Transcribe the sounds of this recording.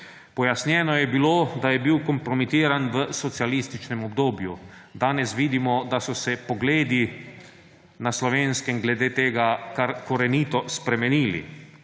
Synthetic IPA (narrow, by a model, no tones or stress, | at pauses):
pɔjasnjɛːnɔjɛbiloːd̪ajɛbiːwkɔmpɾɔmit̪iːɾanʋəsɔt̪sialist̪it͡ʃnɛmɔbd̪oːbju | d̪aːnɛsʋiːd̪imɔd̪asɔsɛpɔɡleːd̪i | naslɔʋeːnskɛmɡlɛd̪eːt̪eːɡakaɾkɔɾɛniːt̪ɔspɾɛmɛniːlḭ